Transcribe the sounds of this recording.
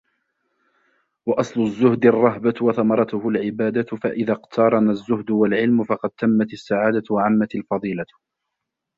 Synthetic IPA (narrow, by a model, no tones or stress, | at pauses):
wɑʔɑsˤlʊzːʊhd̪ɪrˤːɑɦbawɑθamɑɾˤɑt̪ʊhʊlʕɪbaːd̪at̪faʔɪðaqt̪ʰɑɾˤɑnazːʊhd̪ʊwalʕɪlmʊfɑqɑd̪̚t̪amːat̪asːaʕaːd̪at̪waʕamːat̪alfɑðˤiːla